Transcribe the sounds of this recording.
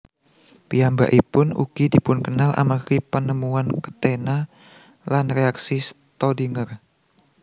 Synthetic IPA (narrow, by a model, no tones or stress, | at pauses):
piamba̰ʔipʊnṵkidipʊnkənalʔa̰makipənəmuankə̥t̪ena | lanreaksis | t̪ɔdiŋər